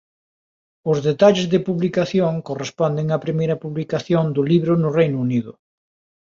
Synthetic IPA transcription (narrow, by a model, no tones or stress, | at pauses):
ʊzðet̪aʎɪzðɪpuβlikaθjoŋkorespɔnd̪ɪŋɐpɾimejɾɐpuβlikaθjond̪ʊliβɾʊnʊrejnʊuniðʊ̰